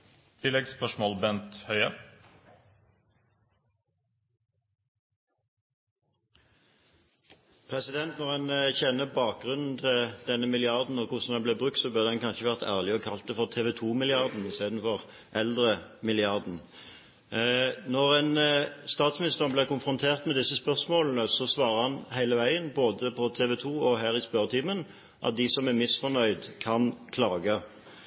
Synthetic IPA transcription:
t̪ʰɪlːɛɡspœʂmoːlbɛnt̪hœʏə | pʰʁɛsɪd̪ɛnt̪nɔʁhɛnçɛnːəbɑːk̚ɡʁʉnn̩t̪ʰɪld̪̥ɛnːəmɪlɪɑʁd̪n̩ɔkʰʊʁsn̩d̪ɛnbleːbʁʉk̚t̪sɔbœʁd̪ɛnkʰɑnʃəʋæʁt̪ʰæ̰ːʁlɪɔkʰɑlt̪̚ɛfɔʁt̪ʰeːʋɛt̪ʰuːmɪlɪɑʁd̪n̩ɪst̪eːd̪n̩fɔʁ | ʔɛld̪ɾəmɪlɪɑɾd̪n̩ | nɔɾɛnst̪ɑːt̪smɪnɪst̪əʁnblɛkʊnfɾʊnt̪ʰeːʁt̪mɛd̪ɪsːəspœʁsmoːln̩əsɔsʋɑːɾəhɑnhæɪləʋæɪənboːd̪əpʰɔt̪ʰeːʋɛt̪ʰuːɔɦæːɾɪspœɾt̪ʰiːmən | ʔɑ̰t̪̚d̪ɪsɔmæmɪsfɔnœʏd̪kʰɑnkʰlɑːɡə

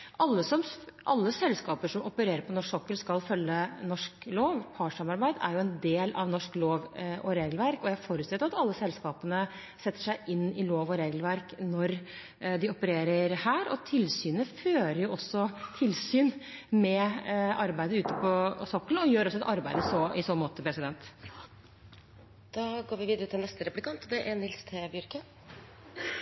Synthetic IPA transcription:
ʔɑlːəsɔmʔɑlːəsɛlskɑːpəʂɔmɔpəɾeːɾəɾpʰɔnɔʂɔkːəlskɑlfœlːənɔʂkloːʋpʰɑʂɑmɑɾbæɪd̪æ̰ɾjʊɛnd̪eːlɑ̰ʋnɔʂkloːʋʔɔɾeːɡəlʋæɾkɔjæfoːɾʉt̪st̪ɛʊɑt̪ɑlːəsɛlskɑːpənə | sɛt̪ːə̥ʂæɪʔɪnːɪloːʋɔɾeːɡlʋæɾknɔɾ | d̪ɪɔpəɾeːɾəɾhæːɾɔ̰t̪ʰɪlsyːnəføːɾəjʊʔɔsːɔt̪ʰɪlsyːnmɛɑɾbæɪd̪əəʉːt̪əpʰɔsɔkːlɔjøːɾɔsːɔɛt̪ɑɾbæɪd̪əsɔɪsoːmoːt̪əpʰɾɛsɪd̪ɛnt̪ | d̪̥ɑːɡoːɾʋɪʋiːd̪əɾət̪ʰɪlnɛst̪əɾɛplɪkʰɑnt̪d̪ɛʔænɪlst̪ʰeːbjʏɾkə

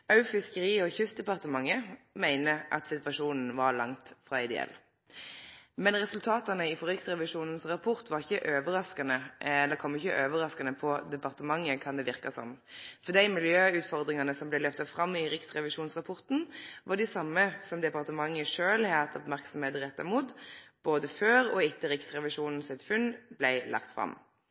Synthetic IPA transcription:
ɑʉfɪskəɾiːɔçʉst̪̚d̪ɛpɑʁt̪əmɑŋːəmæɪnəʔɑ̰t̪sɪt̪ʋɑʂuːnn̩ʋɑɾlɑŋt̪fɾɑ̰ːɪd̪ɛ̰ɛ̰l | mɛnɾɛsʉlt̪ʰɑːt̪ənəɪfɔɾɪksʁɛʋɪʂuːnn̩sʁɑpʰɔʁt̪ʋɑɾɪçːəʔøːʋəɾɑskɑnəɛlːəɾkʰɔmːɪçːə̰ʔøːʋəɾɑskɑnəpʰɔd̪ɛpɑʁt̪əmɑŋːəkʰɑnd̪ɛʋɪʁkɑsɔ̰mfɔd̪æɪmɪljøːʉːt̪fɔʁd̪ʁɪŋɑnəsɔmblæɪløːft̪ɑfʁɑmːɪɾɪksʁɛʋɪʂuːnsʁɑpʰɔʁt̪n̩ʋɑʁɖɪsɑmːəsɔmd̪ɛpɑʁt̪əmɑŋːəʂøːlhɛt̪ʰɔbmæʁksɔm̩heːt̪əʁɛt̪ːəɾmuːt̪b̥oːd̪əføːɾɔɪt̪ːəɾɪksʁɛʋɪʂuːnn̩sɪt̪fʉnblæɪlʔɑ̰kt̪fʁɑ̰m

